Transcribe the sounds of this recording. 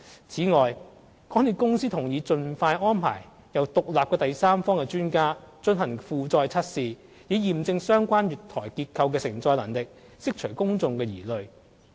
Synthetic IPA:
t͡sʰiː˨˥ŋɔː˨j | kɔː˨˥ŋnyː˨˩kʊ˥ŋsiː˥t̪ʰʊ˨˩ŋjiː˨˧t͡sɵ˧nfaː˧jʔɔː˥npʰa̰ː˨˩j | jɐ˨˩wt̪ʊ˨k̚laː˨p̚kɛː˧t̪ɐ˨jsaː˥mfɔː˥ŋkɛː˧t͡ʃyː˥nkaː˥t͡sɵ˧nɦɐ˨˩ŋfuː˨t͡sɔː˧jt͡sʰɐ˥t̚siː˨ | jiː˨˥jiː˨mt͡sɪ˧ŋsœː˥ŋkʷaː˥njyː˨˩t̪ʰɔː˨˩jkiː˧t̚kʰɐ˧wkɛː˧sɪ˨˩ŋt͡sɔː˧jlɐ˨˩ŋlɪ˨k̚ | sɪ˥k̚t͡ʃʰɵ˨˩ɥkʊ˥ŋt͡sʊ˨ŋkɛː˧jiː˨˩lɵ˨ɥ

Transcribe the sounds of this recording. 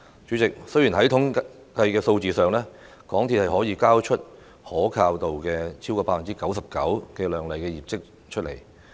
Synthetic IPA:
t͡ʃyː˨˥t͡sɪ˨k̚sɵ˥ɥjiː˨˩nhɐ˨˥jt̪ʰʊ˨˥ŋ | kɐ˧jkɛː˧so˧wt͡siː˨sœː˨ŋlɛː˥ | kɔː˨˥ŋt̪ʰiː˧t̚hɐ˨jɦɔː˨˥jiː˧kaː˥wt͡ʃʰɵ˥t̚ | hɔː˨˥kʰaː˧wt̪o˨wkɛː˧t͡sʰiː˥wkɔː˧paː˧˥fɐ˨˩nt͡si˥kɐ˨˥wsɐ˨p̚kɐ˨˥wkɛː˧lœː˨˩ŋlɐ˨jkɛː˧jiː˨˩p̚t͡sɪ˥k̚ | t͡ʃʰɵ˥t̚lḛ˨˩j

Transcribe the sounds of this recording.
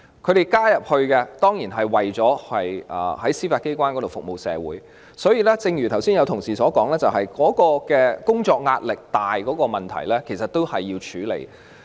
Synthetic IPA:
kʰɵ˨˧ɥɾe˨jkaː˥jɐ˨p̚hɵ˧ɥkɛ˧t̪ɔː˥ŋjiː˨˩nɦɐ˨jwɐ˨˩jt͡sɔː˨˥hɐ˨jɐ̰ː˨˩hɐ˨˥jsiː˥faː˧tkːe˥jkʷwaː˥nkɔ˨˧˥do˨˩fʊ˨k̚mo˨wsɛː˨˧wṵː˨˥j | sɔː˨˥jiː˨˧lɛː˥t͡sɪ˧ŋjyː˨˩t̪ʰɐ˨˩wsiː˥njɐ˨˧wt̪ʰʊ˨˩ŋsiː˨˩sɔː˨˥kɔː˨˥ŋlɛː˥t͡sɐ˨whɐ˨jkɔː˨˥kɔː˧kɛː˧kʊ˥ŋt͡sɔː˧k̚ŋaː˧t̚lɪ˨k̚t̪aː˨jkɔː˨˥kɔː˧mɐ˨nt̪ʰɐ˨˩jlɛː˥kʰe˨˩jsɐ˨t̪ːo˥whɐ˨jːiː˧wt͡ʃʰyː˨˧˥lḛ˨˩j

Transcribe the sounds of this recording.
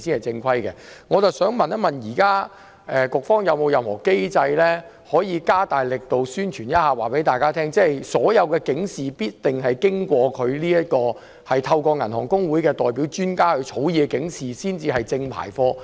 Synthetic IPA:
siː˥nhɐ˨jt͡sɪ˧ŋkʰɐ˥jkɛ˧ŋɔː˨˧t͡sɐ˨˩wsœː˨˥ŋmɐ˨nɐ˥mɐ˨njiː˨˩kaː˥ | ʔɛː˨kʊ˨˩k̚fɔː˥ŋjɐ˨˧wmo˨˧wjɐ˨mhɔ̰ː˨˩ke˥jt͡sɐ˧jlɛː˥ | hɔː˨˥jiː˨˧kaː˥t̪aː˨jlɪ˨k̚t̪o˨wsyː˥nt͡ʃʰyː˨˩njɐ˥haː˨waː˨˩pe˨˥jt̪aː˨˩jkaː˥t̪ʰɛː˥ŋt͡sɛː˥˨˩jsɔː˨˥jɐ˨˧wkɛː˧kɪ˨˥ŋsiː˨piː˥t̚t̪ɪ˨ŋɦɐ˨jkɪ˥ŋkʷɔː˧kʰɵ˨˧ɥliː˥jɐ˥t̚kɔː˧ | hɐ˨jt̪ʰɐ˧wkɔː˧ŋɐ˨˩nhɔ̰ː˨˩ŋkʊ˥ŋwuː˨˥jkɛː˧t̪ɔː˨jpiː˨˥wt͡ʃyː˥nkaː˥hɵ˨˧t͡ʃʰo˨˥wjiː˨˧kɪ˨˥ŋsiː˨siː˥nt͡siː˧ɦɐ˨jt͡sɪ˧ŋpʰa̰ː˨˩jfɔː˧

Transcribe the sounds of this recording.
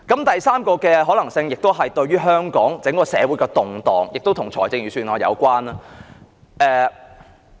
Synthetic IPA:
kɐ˨˥mt̪ɐ˨jsaː˥mkɔː˧kɛː˧ɦɔː˨˥lɐ˨˩ŋsɪ˧ŋjɪ˨k̚t̪o˥wɦɐ˨jt̪ɵ˧ɥyː˥ɦœː˥ŋkɔː˨˥ŋt͡sɛ˨˥ŋkɔː˧sɛː˨˧wuː˨˥jkɛː˧t̪ʊ˨ŋt̪ɔː˨˩ŋjɪ˨k̚t̪wt̪ʰʊ˨˩ŋt͡sʰɔː˨˩jt͡sɪ˧ŋjyː˨˩syː˧nɔː˨˧˩jɐ̰˨˧wkʷwaː˥nː˥ | ʔɛː˧

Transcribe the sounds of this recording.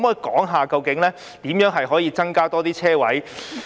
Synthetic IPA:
mɔː˨˥˨kɔ̰ː˨˥ŋɦaː˨˧kɐ˧wkɪ˨˥ŋlɛː˥ | t̪iː˨˥mjœː˨˥ŋɦɐ˨jɦɔː˨˥jiː˧t͡sɐ˥ŋkaː˥t̪ɔː˥t̪iː˥t͡sʰɛː˥wɐ˨˥j

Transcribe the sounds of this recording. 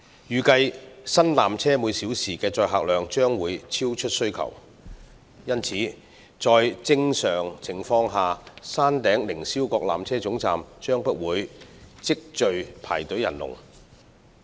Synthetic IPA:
jyː˨kɐ˧jsɐ˥nlaː˨mt͡sʰɛː˥mu˨˧jsi˨˥wsiː˨˩kɛː˧t͡sɔː˧jɦaː˨k̚lœː˨ŋt͡ʃœː˥ŋwuː˨˧jt͡sʰiː˥wt͡ʃʰɵ˥t̚sɵ˥ɥkʰɐ̰˨˩w | jɐ˥nt͡sʰiː˨˥ | t͡sɔː˨jt͡sɪ˧ŋsœː˨˩ŋt͡sʰɪ˨˩ŋfɔː˧ŋɦaː˨saː˥nt̪ɛː˨˥ŋlɪ˨˩ŋsiː˥wkɔː˧k̚la̰ː˨mt͡sʰɛː˥t͡sʊ˨˥ŋt͡saː˨mt͡ʃœː˥ŋpɐ˥t̚wuː˨˧jt͡sɪ˥k̚t͡ʃɵ˨ɥpʰa̰ː˨˩jt̪ɵ˨˥jɐ̰˨˩nlʊ̰˨˩ŋ

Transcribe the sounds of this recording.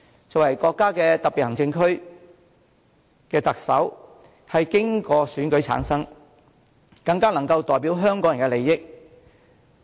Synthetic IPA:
t͡sɔː˨wɐ˨˩jkɔː˧kːaː˥kɛː˧t̪ɐ˨pːi˨hɐ˨˩ŋt͡sɪ˧ŋkʰɵ˥ɥ | kɛː˧t̪ɐ˨k̚sɐ˨˥w | hɐ˨jkɪ˥ŋkɔː˧syː˨˥nkɵ˨˥ɥt͡sʰa̰ː˨˥nsɐ˥ŋ | kɐ˧ŋkaː˥nɐ˨˩ŋkɐ˧wt̪ɔː˨jp̬iː˨˥wɦœː˥ŋkɔː˥jɐ˨˩ŋkɛ˧le˨jːɪ˥k̚

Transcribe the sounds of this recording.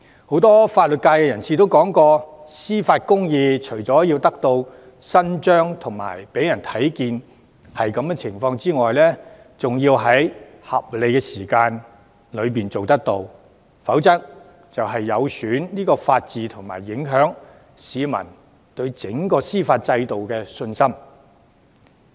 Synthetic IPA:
ho˨˥wt̪ɔː˥faː˧t̚lɵ˨t̚kaː˧jkɛ˧jɐ˨˩nsiː˨˧t̪o˥wkɔː˨˥ŋkɔː˧siː˥faː˧t̚kʊ˥ŋjiː˧t͡ʃʰɵ˨˩jt͡sɔː˨˥ji˧wt̪ɐ˥k̚t̪o˧w | sɐ˥nt͡ʃœː˥ŋt̪ʰʊ˨˩ŋma̰ː˨˩jpe˨˥jɐ˨˩nt̪ʰɐ˨˥jkiː˧n | hɐ˨jkɐ˨˥mɛ˧t͡sʰɪ˨˩ŋfɔː˧ŋt͡siː˥ŋɔː˨jlɛː˥ | t͡sʊ˨ŋjiː˧wɦɐ˨˥j | hɐ˨p̚le˨˧jkɛː˧siː˨˩kaː˧n | lɵ˨˧ɥp̬iː˨˩nt͡so˨wt̪ɐ˥k̚t̪o˧w | fɐ˨˥wt͡sɐ˥k̚ | t͡sɐ˨wɦɐ˨jːɐ˨˧wsyː˨˥nniː˥kɔː˧faː˧t̚t͡siː˨˧t̪ʰʊ˨˩ŋma̰ː˨˩jːɪ˨˥ŋɦœː˨˥ŋ | siː˨˧mɐ̰˨˩n | t̪ɵ˧ɥt͡sɪ˨˥ŋkɔː˧siː˥faː˧t̚t͡sɐ˧jt̪o˨wkɛː˧sɵ˧nsɐ˥m

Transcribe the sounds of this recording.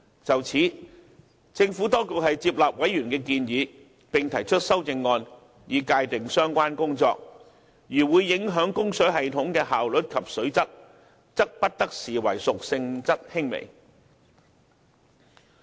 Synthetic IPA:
t͡sɐ˨wt͡sʰiː˨˥ | t͡sɪ˧ŋfu˨˥t̪ɔː˥ko˧wɦɐ˨jt͡siː˧p̚laː˨p̚wɐ˨˥jyː˨˩nkɛː˧kiː˧njiː˨˧ | pɪ˨ŋt̪ʰɐ˨˩jt͡ʃʰɵ˥t̚sɐ˥wt͡sɪ˧ŋːɔː˧n | jiː˨˧kaː˧jt̪ɪ˨ŋsœː˥ŋkʷaː˥nkʊ˥ŋt͡sɔ̰ː˧k̚ | jyː˨˩wuː˨˧jːɪ˨˥ŋɦœː˨˥ŋkʊ˥ŋsɵ˨˥ɥɦɐ˨jt̪ʰʊ˨˥ŋkɛː˧haː˨wlɵ˨˥t̚kʰɐ˨p̚sɵ˨˥ɥt͡sɐ˥t̚ | t͡sɐ˥k̚pɐ˥t̚t̪ɐ˥k̚siː˨wɐ̰˨˩jsʊ˨k̚sɪ˧ŋt͡sɐ˥t̚hɪ˥ŋmḛ˨˩j

